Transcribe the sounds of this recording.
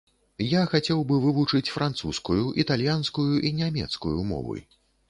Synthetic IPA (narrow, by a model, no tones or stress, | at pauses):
jaxat͡sʲɛwbɨvɨvut͡ʂɨt͡sʲfɾʔant̪suskujuʔit̪alʲjanskujuʔinʲamʲɛ̰t̪skujṵmɔ̰vṵj